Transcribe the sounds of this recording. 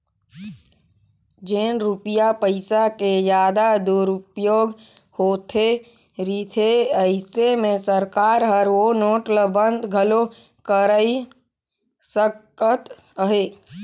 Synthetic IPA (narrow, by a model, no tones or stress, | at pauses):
d͡ʒeːnɾupijapəɪsakejjaːd̪ad̪uɾʊpjoːɡ | hoːt̪ʰe | ɾiːt̪ʰeəɪsemẽsəɾkaːɾɦəɾʋonoːʈləbə̃nd̪ʱɡʱəlo | kəɾəi | səkət̪ | əɦeː